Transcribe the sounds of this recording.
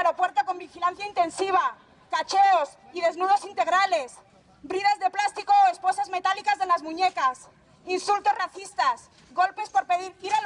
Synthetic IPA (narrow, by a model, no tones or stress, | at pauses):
ɾopwe̞ɾt̪o̞ko̞mbixilanθjaint̪e̞nsiβ̞a | kat͡ʃeos | iðe̞znuð̞o̞sint̪e̞ɣ̞ɾale̞s | bɾiðazðe̞plast̪iko̞espo̞sazme̞t̪alikazðe̞lazmũɲe̞kas | insult̪o̞zraθist̪as | ɣo̞lpe̞spo̞ɾpe̞ðiɾiɾa